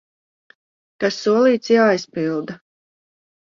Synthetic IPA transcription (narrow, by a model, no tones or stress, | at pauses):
kasːuɔlˠiːt̪sjaːjspilˠd̪a